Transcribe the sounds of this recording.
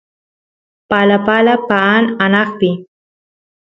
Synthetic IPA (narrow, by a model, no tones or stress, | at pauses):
palapalapaananɑχpɪ